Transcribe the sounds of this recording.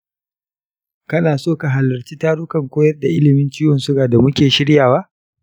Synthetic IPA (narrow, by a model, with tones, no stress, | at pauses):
kɐ˦naː˨soː˦˨ka˨ɦa˨lːɐ˨rt͡ʃiː˦taː˦ɽʊ˦kɐ˨ŋkʷoː˦jɐ˦rda˨ʔɪ˦lɪ˨mɪ˦nt͡ʃiː˦wɔ˨nsʊ˦ɡaː˨da˨mʊ˦kʲeː˨ʃɪ˦ɽjaː˨waː˦